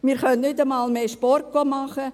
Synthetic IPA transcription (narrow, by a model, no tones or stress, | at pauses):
miːɾχœnnʏdəmɑːlmeːʃpɔrt̚ɡ̥oːmɑχə